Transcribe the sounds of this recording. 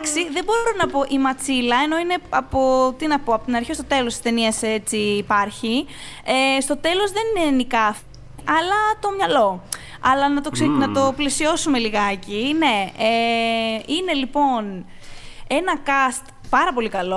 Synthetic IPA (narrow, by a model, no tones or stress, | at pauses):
ksiðe̞bo̞ɾonɐpo̞ʔimɐt͡silɐe̞no̞ine̞ɐpo̞t̪inɐpoɐpot̪inɐɾçist̪o̞t̪e̞lo̞st̪i̥st̪e̞niɐset͡siːpɐɾçiest̪o̞t̪e̞lo̞zðe̞ninenikɐf | ɐlɐt̪o̞mɲɐlo̞ | ɐlɐnɐt̪osnɐt̪o̞plesio̞sume̞liɣɐcine̞e | inelipo̞n | e̞nɐkɐst̪ | pɐɾɐpo̞likɐlo̞